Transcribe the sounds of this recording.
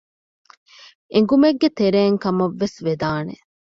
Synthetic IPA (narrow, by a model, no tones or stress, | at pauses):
eŋ̆ɡumeɡːet̪eɾeːŋkɐmɐʋːesʋed̪aːnḛ